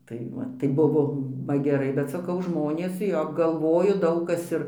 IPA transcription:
tɐɪ ˈʋɐ tɐɪ ˈbʊʋoː ʋɐ ɡʲɛˈrɐɪ bʲɛt sɐˈkɐʊ ˈʒmoːnʲeːs ˈjoː ɡɐlˠˈʋoːjʊ ˈdɐʊk ˈkɐs ɪr

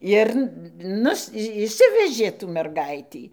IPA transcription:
ˈɪr ˈnʊs ɪʃʲˈsʲɪʋʲɛʒʲeː tuː mʲɛrˈɡɐɪtʲiː

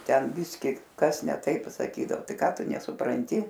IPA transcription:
ˈtʲɛn ˈbʲɪsʲkʲɪ ˈkɐs nʲɛ ˈtɐɪp sɐˈkʲiːdɐoː ˈtɐɪ ˈkɑː ˈtʊ nʲɛsʊprɐnʲˈtʲɪ

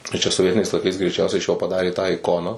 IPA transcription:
tɐɪ ˈt͡ʃʲɛ soːˈʋʲiɛtʲɪnʲɛɪs lˠɐɪˈkɐɪs ɡrʲɛɪˈt͡ʃʲɛʊsʲɛɪ ɪʃ joː pɐˈdɑːrʲeː tɑː ɪˈkoːnɑː

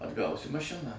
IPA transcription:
ɐdˈɡɐʊsʲɪ mɐˈʃʲɪnɑː

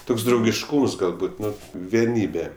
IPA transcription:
ˈtoːks drɐʊɡʲɪʃˈkuːms ɡɐlˠˈbʊt ˈnʊ ʋʲiɛˈnʲiːbʲɛ

